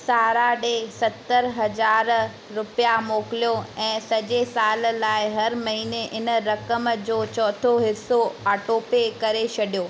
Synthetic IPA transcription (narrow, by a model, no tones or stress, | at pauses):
saːɾaɗesɐt̪əɾɦɐd͡ʑaːɾ | ɾʊpijamoːkɪlijoɛ̃ːsɐd͡ʑesaːllaːɪɦɐɾmɐɦiːneʔɪnə̆ɾɐkəmd͡ʑoːt͡ɕɔːt̪ʰoɦɪsoaːʈoːpekɐɾet͡ɕʰɐɗijoː